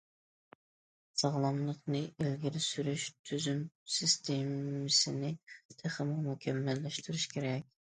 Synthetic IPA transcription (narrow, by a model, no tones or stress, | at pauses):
sɑʁlˠɑmlˠəqnɨelɡʲɪɾɪsyɾyʃt̪ʰyzymsɪst̪ʰemɪsɪnɪt̪ʰæχəmʊmukʲʰɛmːɛlːɛʃt̪ʰyɾyʃkʲʰeɾɛkʲ